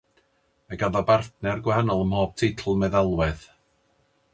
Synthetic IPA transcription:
maɡaðɔbarθnɛrɡwɛhanɔlˠəmhoːb̥̚tʰejtʰl̩ˠmɛðalˠwɛð̥

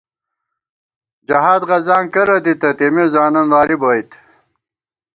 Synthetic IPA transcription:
d͡ʑɐɦaːd̪ʁɐzaːŋkɐɾɐd̪it̪ɐt̪emizaːnɐnwaːɾiboːit̪

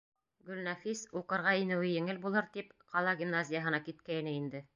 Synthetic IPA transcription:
ɡɵ̆lnɑfisuqɤ̆ɾʁɑinɘ̆wɘjɘ̆ŋɘlbulˠɤɾt̪ipqɑlˠɑɡʲimnazʲɪjəɦɤ̆nɑkit̪kæjnɘind̪ɘ

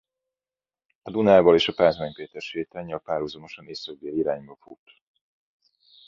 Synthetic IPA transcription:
ɒd̪unaːvɒleːʃɒpaːzmɛɲpeːt̪ɛrʃeːt̪aɲːɒpaːɾhuzomo̞ʃɒneːsɒɡ̚d̪eːliiɾaːɲbɒfut̪

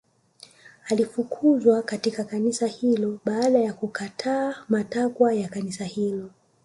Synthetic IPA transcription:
alifukʰuzwakatikakanisahilɔɓaːɗajakukatʰaːmatakwajakanisahilɔ

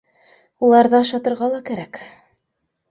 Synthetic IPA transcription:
ulˠɑɾðɤʃɑt̪ɤ̆ɾʁɑlˠɑkæɾæk

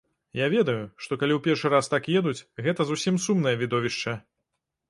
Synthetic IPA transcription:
javʲɛd̪ɐjuʂt̪ɔkalʲiwpʲɛrʂɨɾast̪akjɛd̪ut͡sʲɣɛt̪ɐzusʲimsumn̪ɐjɐvʲid̪ɔvʲiʂt͡ʂɐ

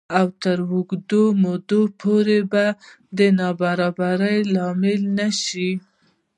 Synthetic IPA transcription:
awt̪əɾwuɡd̪omod̪opʰoɾeba | d̪ənɑbaɾɑbaɾəjlɑmɪlnaʃi

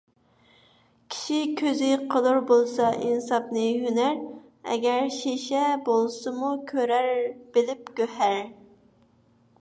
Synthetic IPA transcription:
kʲʰi̥ʃikʲʰøzɪqʰəlˠuɾbolˠsɑʔinsɑpnɨjynæɾ | ɛ̰ɡʲæɾʃeʃɛbolˠsɨmukʲʰøɾæɾb̥ɪlɪp̚ɡʲøhæɾ

